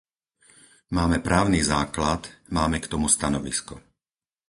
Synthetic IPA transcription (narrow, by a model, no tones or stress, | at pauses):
maːmɛpɾaːʊnizaːklat̪maːmɛkt̪ɔmust̪anɔʋḭskɔ